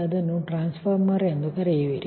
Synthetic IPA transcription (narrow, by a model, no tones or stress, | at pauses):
ɐd̪ɐnːuʈɾaːnspʰɐɾmɐɾend̪ukɐɾeʋiɾi